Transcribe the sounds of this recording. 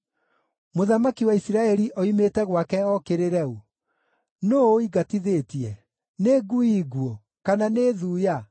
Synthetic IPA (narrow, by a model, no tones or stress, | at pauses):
moðamakiwaisiɾaɛɾiʔɔimetɛɣwakɛɔkeɾeɾɛu | noiɡatiðetiɛ | neɡuiɣwo | kananeðuːja